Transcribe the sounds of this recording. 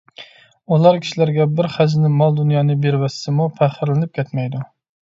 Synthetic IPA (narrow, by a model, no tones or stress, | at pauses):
ulˠɑɾkʲʰi̥ʃilæɾɡʲɛbɪɾχæd͡ʒnɪmɑlˠd̪unjɑːnɨbeɾwɛsːɪmupʰæχɪɾlɪnɪp̚kʲʰɛt̪mɛjd̪u